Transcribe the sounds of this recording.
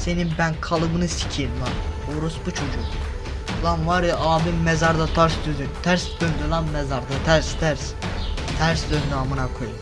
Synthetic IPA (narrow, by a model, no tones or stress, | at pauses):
seninbænkʰɑlˠɯbɯnɯsi̥cʰinlˠɑn | oɾusbut͡ʃʰod͡ʒuk | lˠɑnvɑɾʔɑːbimːɛzɑɾd̪ɑt̪ʰɑɾsd̪yzynt̪ʰæɾsɡ̪ønd̪yɾlˠanmɛzɑɾd̪at̪ʰæɾst̪ʰæɾst̪ʰæɾsd̪øznɑːmɯnakʰoju